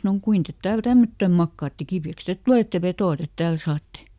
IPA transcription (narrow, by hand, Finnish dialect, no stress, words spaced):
sɑnoŋ kuin tet tæːl tæmːøtːøm mɑkːɑːtːe kipiæks tet tŭleˑtːe ʋetoɑ tet tæːl sɑːtːe